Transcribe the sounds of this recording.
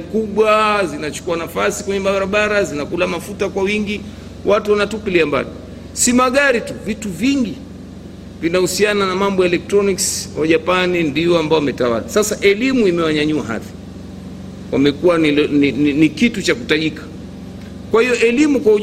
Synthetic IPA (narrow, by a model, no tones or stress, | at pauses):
kuɓwazinat͡ʃu̥kuanafasikwɛɲɛɓaɾaɓaɾazinakulamafutakwawiŋɡi | wʔatuwanatupiliamba̰li | simaɠaɾituvituviŋɡi | vinahusiananamambɔɛlɛk̚tɾɔnikswaʄapanindiɔambaɔwamɛtawa̰lasasaʔɛlimuimɛwaɲaɲuaɦa̰ði̥ | wa̰mɛkuwanilnininikitut͡ʃakutaʄikḁ | kwahiɔʔɛlimukwau